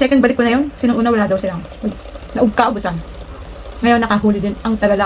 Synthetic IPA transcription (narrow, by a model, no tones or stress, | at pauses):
sɛːkɛnd̪̚bɐlɪkːonɐjo̞nsinoŋʔuːnɐwɐlaːd̪ɐwsɪlaʔɐɡ̚ | nɐʔʊɡ̚kaʔobʊsan | ŋɐjo̞nːɐkɐɦuːlɪd̪ɪnʔɐŋt̪ɐɡɐla